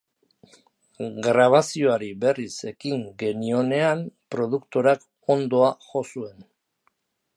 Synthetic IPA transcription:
ɡɾaβ̞asio̞aɾiβe̞rise̞kiŋɡe̞nio̞ne̞ampɾo̞ðukt̪o̞ɾak | o̞nd̪o̞aʝo̞sue̞n

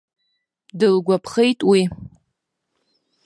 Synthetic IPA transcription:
dɨlɡʷapʰχejtʼwi

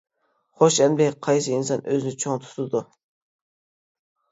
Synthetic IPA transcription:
χoʃɛnbeqʰɑjsɨinsɑnʔøzɪnɪt͡ʃʰoŋt̪ʰu̥t̪ʰɨd̪u

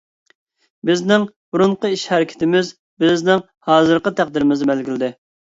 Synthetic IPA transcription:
bɪznɪŋ | buɾuɴqəiʃhɛɾɪkʲʰɪ̥t̪ɪmɪz | bɪznɪŋ | hɑːzɨɾqət̪ʰæq̚d̪ɪɾɪmɪzɨmbɛlɡʲilɪd̪ɪ

